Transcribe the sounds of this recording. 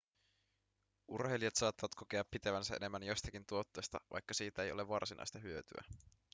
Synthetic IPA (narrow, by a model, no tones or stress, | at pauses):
ʔurheliɑt̪sɑːt̪ːɑʋɑt̪kokeɑpːit̪e̞ʋænsæʔene̞mːænjo̞st̪ɑkint̪uot̪ːe̞jst̪ɑ̰ʋʔɑ̰jkːɑsiːt̪æe̞jo̞le̞ʋɑrsinɑ̰jst̪ɑɦyøt̪y̰æ̰